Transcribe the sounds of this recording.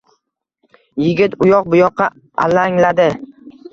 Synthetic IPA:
jɪɡʲɪt̪ʊjɒq̚bʊjɒqːɑ | a̰laŋlad̪ɪ

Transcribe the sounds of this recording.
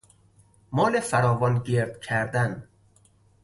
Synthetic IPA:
mɒːlefæɾɒːvɒnɟeɾd̪̥cʰæɾd̪æn

